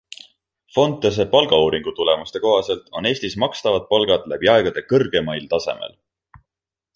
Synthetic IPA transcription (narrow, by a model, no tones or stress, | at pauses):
fo̞nt̪ːˑes̬e̞pɑlɡ̥ɑuːɾiŋɡ̥ut̪ule̞must̪e̞ko̞ɦɑse̞lt̪o̞̰ne̞ːsʲt̪ismɑkst̪ɑvɑt̪̚pɑlɡ̥ɑd̪læb̥iɑe̞ɡ̥ɑd̪e̞kɤrɡ̥e̞mɑjlt̪ɑse̞̰mḛl